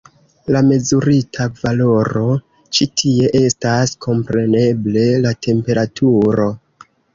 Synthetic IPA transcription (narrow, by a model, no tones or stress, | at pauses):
lame̞zuɾitʰavalo̞ɾo̞ | t͡ʃitʰie̞ʔe̞staskʰo̞mpɾe̞ne̞ble̞latʰe̞mpe̞ɾatʰuɾo̞